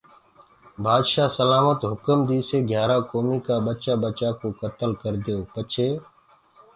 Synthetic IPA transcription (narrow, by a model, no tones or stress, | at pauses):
baːd̪ʃaːsəlaːmət̪ɦʊkəmd̪iːseːɡʱjaːɾaːkoːmiːkaːɓət͡ʃaːɓət͡ʃaːkoːkət̪əlkəɾd̪ɪjoːpət͡ʃʰeː